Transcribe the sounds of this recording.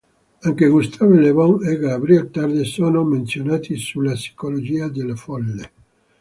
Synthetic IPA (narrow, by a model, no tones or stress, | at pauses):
aŋkeɡust̪ʰavolevɔŋeɡabɾiɛlt̪ard̪esoːnoment̪sjonaːt̪ʰisulːasi̥kolod͡ʒiːad̪elːefɔlːe